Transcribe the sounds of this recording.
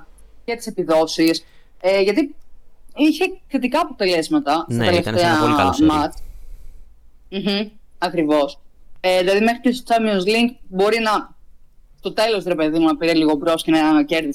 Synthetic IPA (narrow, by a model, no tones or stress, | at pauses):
ce̞t̪i̥sepiðo̞sis | eʝɐt̪i | içe̞kθe̞t̪ikɐːpo̞t̪e̞le̞zmɐt̪ɐst̪ɐt̪eleft̪eɐ̰mɐt͡s | m̩ɦ̩ɐkɾivo̞seðilɐðime̞xɾit̪ist͡sɐmionsliŋkbo̞ɾinɐ | st̪o̞t̪e̞lo̞sɾepe̞ðimunɐpiɾeliɣo̞pɾo̞scenɐɐnɐce̞ɾðis